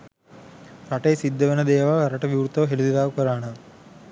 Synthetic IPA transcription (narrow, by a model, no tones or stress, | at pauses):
ɾɐʈeːsid̪ːɐʋɐnɐd̪ɛːʋaːɾɐʈɐʋjuːɾt̪ːɐɦelud̪id̪aːkɐɾaːnɐ